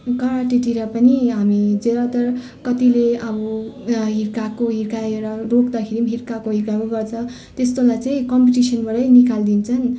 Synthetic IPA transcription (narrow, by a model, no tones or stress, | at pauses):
kʌɾaʈiʈiɾʌpʌniɦamid͡zeɾat̪ʌ | kʌt̪ileʌbʌɦiɾkakoɦiɾkaeɾʌrokd̪akʰeɾimɦiɾkakoɦiɾkakoɡʌrt͡sʰʌ̃ | t̪est̪olajt͡saĩkʌmpiʈisʌnbʌɾʌjnikald̪int͡sʰʌn